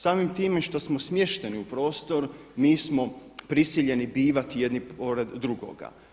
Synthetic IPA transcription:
saːmimt̪iːmeʃt̪o̞smosmje̞ʃt̪e̞niupɾo̞ːst̪o̞ɾ | miːsmo̞pɾisiʎe̞nibiːʋat̪ije̞d̪nipo̞ɾed̪ːɾuɡo̰ɡa̰

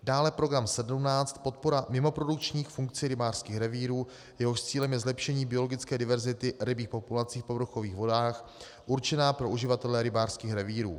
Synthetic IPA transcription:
daːlɛpɾo̞ɡɾamsɛdumnaːt͡st̪po̞t̪po̞ɾamɪmo̞pɾo̞duk̚t͡ʃɲiːxfuŋk̚t͡siɾɪbaːr̥skiːxɾɛviːɾuː | jɛɦo̞ʃt͡siːlɛmjɛzlɛpʃɛɲiːbɪo̞loɡɪt͡skɛːdɪvɛɾzɪt̪ɪɾɪbiːxpo̞pulat͡siːxpo̞bɾuxo̞viːxvo̞daːx | ʔuɾt͡ʃɛnaːpɾo̞ʔuʒɪvat̪ɛlɛɾɪbaːr̥skiːxɾɛviːɾṵː

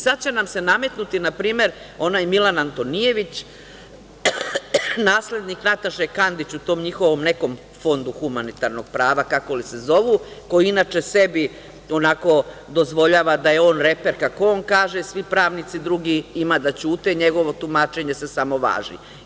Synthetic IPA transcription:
sad̪̚t͡ɕenamse̞name̞t̪nut̪inapɾiːme̞ɾ | o̞najmilˠanant̪o̞nije̞ʋit͡ɕ | naːsle̞d̪niknat̪aʃekand̪it͡ɕut̪o̞ːmɲixo̞ʋo̞mne̞ko̞m | fo̞nd̪uxumanit̪aɾno̞ɡ̥̚pɾaːʋakakolise̞zo̞ʋuko̞jiinat͡ʃe̞se̞bi | o̞nako̞d̪o̞zʋo̞ʎaːʋad̪aje̞o̞ːnɾepe̞ɾkakoonkaːʒesʋipɾaːʋnit̪sid̪ɾuɡiimad̪at͡ɕuːt̪e̞ɲe̞ɡo̞ʋo̞t̪umaːt͡ʃe̞ɲe̞se̞samo̞ʋa̰ːʒḭ

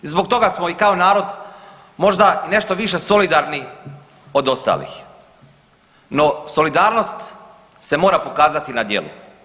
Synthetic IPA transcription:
izboɡt̪o̞ɡasmo̞ikaonaːɾo̞d̪ | mo̞ʒd̪aine̞ʃt̪oʋiʃe̞so̞lid̪aɾni | o̞d̪o̞st̪a̰ːlḭx | no̞so̞lid̪aːɾno̞st̪ | se̞mo̞ːɾapo̞kaːzat̪inad̪je̞̰lˠṵ

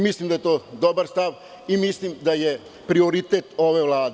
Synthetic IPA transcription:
mislˠimd̪ajet̪oːd̪obaɾst̪aʋ | imislimd̪aje | pɾio̞ɾit̪et̪o̞ʋeʋlˠaːd̪e

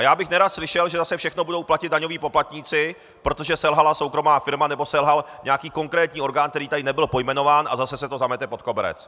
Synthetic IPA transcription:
ajaːbɪxnɛɾat̪slɪʃɛlʒɛzasɛfʃɛxnobudo̞wplacɪd̪daɲo̞viːpoplat̪ɲiːt͡sɪ | pɾo̞t̪o̞ʒɛsɛlɦalaso̞wkɾo̞maːfɪɾmanɛbo̞sɛlɦalɲɛakiːko̞ŋkɾɛːt̪ɲiːo̞ɾɡaːnk̚t̪ɛɾiːt̪adɪnɛbɪlpo̞jmɛno̞vaːnʔa̰zasɛsɛt̪o̞zamɛt̪ɛpo̞t̪̚ko̞bɛɾɛ̰t͡s

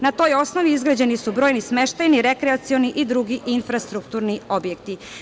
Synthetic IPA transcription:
nat̪o̞ːjo̞snoʋiizɡɾad͡ʑe̞nisubɾojnisme̞ʃt̪ajniɾekɾɛat̪sio̞niʔid̪ɾuɡiʔinfɾast̪ɾukt̪uɾnio̞bjekt̪i

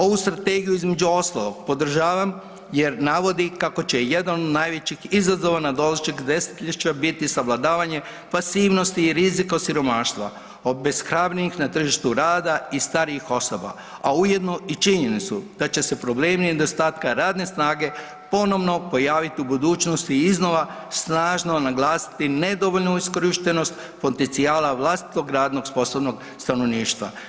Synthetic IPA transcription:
o̞ʋust̪ɾat̪e̞ɡijuizme̞d͡ʒuo̞st̪alˠo̞ɡ̥̚po̞d̪r̩ʒaːʋam | jeɾnaʋo̞d̪ikako̞t͡ɕe̞jed̪anod̪najʋe̞t͡ɕixizazo̞ʋanad̪o̞lat͡ʃikd̪e̞si̥t̪ʎʲiʃt͡ɕabit̪isaʋlˠad̪aːʋaɲe̞ | pasiːʋno̞st̪iːɾizikosiɾo̞maːʃt̪ʋa̰ | obe̞sxɾaːbɾinixnat̪r̩ʒiʃt̪uɾaːd̪aist̪aɾiixo̞so̞ba̰ | aujed̪noit͡ʃiɲenit̪sud̪̥at͡ɕe̞se̞pɾo̞ble̞ːmined̪ost̪aːt̪kaɾaːd̪ne̞snaːɡe̞ | po̞no̞ʋno̞po̞jaːʋit̪iubud̪uːt͡ʃno̞st̪iizno̞ʋa | snaːʒno̞naɡlˠaːsi̥t̪ine̞d̪o̞ʋo̞ʎnuisko̞ɾiʃt̪e̞no̞st̪ | po̞t̪ent̪siaːlaʋlˠast̪i̥t̪o̞ɡɾaːd̪no̞ɡspo̞soʋno̞ɡ | st̪ano̞ʋniːʃt̪ʋa̰

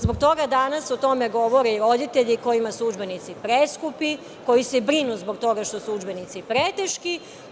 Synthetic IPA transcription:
zbo̞ɡ̚t̪o̞ɡad̪anasot̪o̞me̞ɡo̞ʋoɾiiɾo̞d̪it̪eʎiko̞jimasˠud͡ʒbe̞nit̪sipɾeskupi | ko̞jisebɾinuzbo̞ɡt̪o̞ɡaʃt̪osud͡ʒbenit̪sipɾet̪eʃki

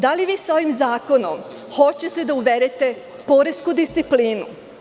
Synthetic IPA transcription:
d̪aliʋiːso̞ʋimzaːko̞nom | xo̞t͡ɕe̞t̪e̞d̪auʋeɾet̪e̞ | po̞ɾeskud̪ist̪sipliːnṵ

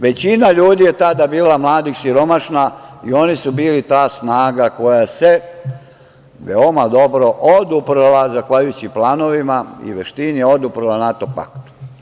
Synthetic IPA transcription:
ʋe̞t͡ɕinaʎuːd̪ije̞t̪ad̪abiːlamlˠaːd̪ixsiɾo̞maʃnaio̞nisubiːlit̪aːsnaːɡako̞jase | ʋeomad̪o̞bɾo̞ʔod̪upɾlˠazaxʋaʎujut͡ɕiplaːno̞ʋimaḭʋeʃt̪inio̞d̪upɾalanat̪opa̰kt̪u̥

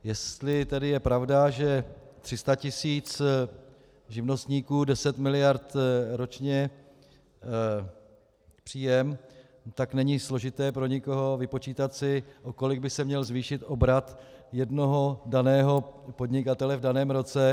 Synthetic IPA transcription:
jɛst̪lɪt̪ɛdɪjɛpɾavdaʒɛt̪r̝̥ɪst̪acɪsiːt͡s | ʒɪvno̞st̪ɲiːkuːdɛsɛt̪mɪlɪjaɾt̪ɾo̞t͡ʃɲɛ | pr̥iːjɛm | t̪aknɛɲislo̞ʒɪt̪ɛːpɾo̞ɲɪko̞ɦo̞vɪpo̞t͡ʃiːt̪at̪sɪʔoko̞lɪɡ̚bɪsɛmɲɛlzviːʃɪt̪ʔo̞bɾat̪jɛdno̞ɦo̞danɛːɦo̞po̞d̪ɲɪkat̪ɛlɛvdanɛːmɾo̞t͡sɛ

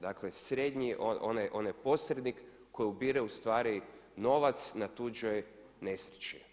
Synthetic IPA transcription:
d̪aklesɾed̪ɲiʔoonajʔonajpo̞sɾed̪nikː | ojiubiɾeust̪ʋaːɾino̞ʋat̪snat̪ud͡ʒoj | nesɾit͡ʃi

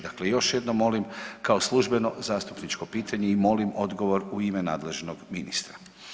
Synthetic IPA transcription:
d̪aklejo̞ʃje̞d̪no̞mːo̞limkao̞slˠuʒbe̞no̞zaːst̪upnit͡ʃko̞piːt̪ʰaɲe̞imo̞limo̞d̪ɡo̞ʋo̞ɾuimena̰ːd̪le̞ʒnoɡminist̪ɾa

